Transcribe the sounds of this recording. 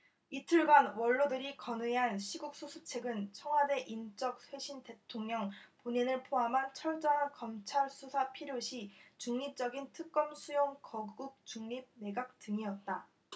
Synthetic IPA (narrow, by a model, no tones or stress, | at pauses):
itʰɯɭɡanwʌɭːodɯɾikʌneɦanɕʰiɡuk̚s͈ʰusʰut͡ɕʰe̞ɡɯnt͡ɕʰʌŋɦwade̞ʔint͡ɕ͈ʌk̚swe̞ɕʰinte̞tʰoŋɲʌŋpoɲinɯɭpʰoamɦant͡ɕʰʌɭt͡ɕ͈ʌŋɦankʌmt͡ɕʰaɭs͈ʰusʰapʰiɾjoɕʰit͡ɕuŋɲip̚t͡ɕ͈ʌɡintʰɯk̚k͈ʌmsʰujoŋkʌɡɡuk̚t͡ɕuŋɲib̚ne̞ɡak̚t͈ɯŋiʌt̚t͈a